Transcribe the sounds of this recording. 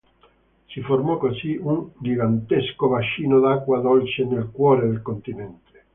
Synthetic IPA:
siformɔkosiund͡ʒiɡant̪eskovat͡ʃiːnod̪akwad̪olt͡ʃenelkwɔɾed̪elkont̪inɛnt̪e̥

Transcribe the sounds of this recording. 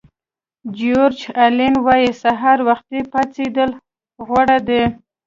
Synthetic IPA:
d͡ʒoɾt͡ʃalenwajisaɦaɾwaxt̪̚epat͡sed̪əl | ɣwaɽad̪e

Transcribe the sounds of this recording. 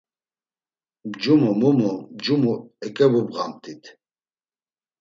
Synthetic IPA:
bd͡ʒumumumubd͡ʒumuɛkʼɛbubɣamt̪ʼit̪ʰ

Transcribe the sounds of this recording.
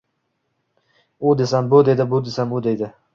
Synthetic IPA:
ʊd̪esambʊd̪e̞d̪ɪbʊd̪esamʊd̪ed̪ɪ

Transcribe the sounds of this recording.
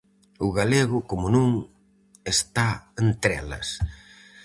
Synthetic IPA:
ʊɣaleɣʊkomʊnũŋ | est̪aent̪ɾɛ̰lɐ̰s

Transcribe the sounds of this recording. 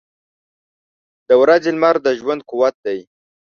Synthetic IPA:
d̪̥əwɾazɪlmaɾd̪əʒwand̪̚kuwat̪̚d̪aj

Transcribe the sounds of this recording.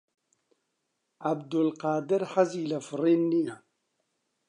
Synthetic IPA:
ʕabd̪ʊlqɑːd̪ɪɾħaziːlafɾˤiːnːija

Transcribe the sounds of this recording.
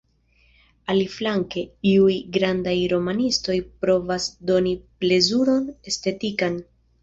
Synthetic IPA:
aliflaŋke̞iujɡɾandajɾo̞manisto̞jpɾo̞vasdo̞niple̞zuɾo̞ne̞ste̞tikan

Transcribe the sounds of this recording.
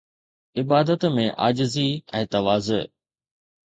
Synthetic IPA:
ɪbaːd̪ət̪mẽʔa̰ːd͡ʑɪziɛ̃ːt̪ɐʋaːzə

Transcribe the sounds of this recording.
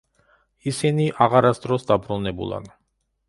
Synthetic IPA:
isiniʔaʁaɾasd̪ɾɔsd̪abɾunɛbṵlˠa̰n

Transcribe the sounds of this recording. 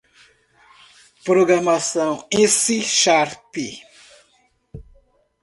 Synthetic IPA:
pɾoɡɾamasɐ̃w̃ẽsiʃaɾpi

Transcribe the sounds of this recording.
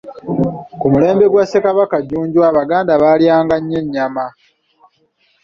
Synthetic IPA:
kumule̞ːmbe̞ɡwase̞kaβakaɟuːɲɟuwaːβaɡaːndaβaːljaːŋɡaɲːe̞ɲːama

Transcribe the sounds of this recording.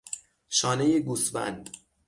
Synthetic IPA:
ʃɒːnejeɡusvæ̰nd̪̥

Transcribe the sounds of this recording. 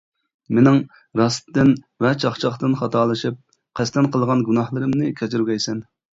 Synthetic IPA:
menɪŋ | ɾɑst̪ːɪn | vɛt͡ʃʰɑχt͡ʃʰɑχt̪ɨnχɑt̪ʰɑːlˠɨʃip̚ | qʰæst̪ɛnqʰəlˠʁɑnɡunɑhlˠɨɾɨmnɨkʲʰɛt͡ʃ̪ʰyɾɡʲɛjsɛn

